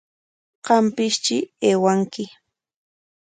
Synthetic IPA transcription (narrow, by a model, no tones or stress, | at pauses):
qɑmpɪʃt͡ʃɪeːwaŋkɪ